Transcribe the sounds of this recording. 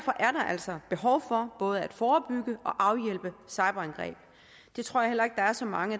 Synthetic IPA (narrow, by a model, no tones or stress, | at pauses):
ɐfɒ̽ʔæɐɾɑ̈ʔæl̰sɒ̽b̥e̝ɦɒʊfɒ̽b̥ɔ̽ːð̞̩ˠæd̥fɒːb̥yɡ̥əʔɒ̽ʔɑ̈ʊjel̰b̥əsɑ̈ɪb̥ɐænɡ̥ʁɛ̰ːb̥̚ | d̥e̝t͡sʰʁo̝ɐ̰ɑ̈hel̰ɐe̝ɡ̥̚d̥ɑ̈æɐsɒ̽mɑ̈ŋə